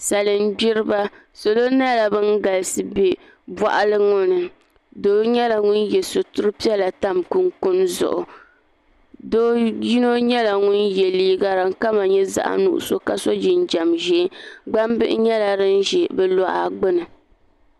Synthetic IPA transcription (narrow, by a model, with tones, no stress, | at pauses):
sa˨lɨ˨m˦bi˦ɾɨ˦ba˦ | so˨lo˦na˦la˨bɨ˦ŋɡa˨lsɨ˦bi˨ | ba̰˨ʔa˨lɨ˦ŋʊ˦nɨ˨ | doː˦ɲɛ˦la˨ŋʊ˦njɛ˨so˨tu˦ɾɨ˦pi˦ɛ˦la˨ta˦mku˦nkʊ˦nzʊ̰˨ʔʊ˨ | do˦ji˦no˦ɲɛ˦la˨ŋʊ˦njɛ˨liː˦ɡa˦ɾa˨ŋ˦ka˦ma˨ɲɛ˦za̰˦ʔa̰˦nṵ˦˨ʔʊ̰˨so˦ka˨so˦d͡ʒi˨n˦d͡ʒa˨mʒɛ˨˦ɡ͡ba˦m˦bɨ˦ʔɪ̰˦ɲɛ˦la˨ɾɨ˦n˦ʒɛ˨bɛ˦lɔ˨ʔa̰˨ɡ͡bɨ˦nɨ˨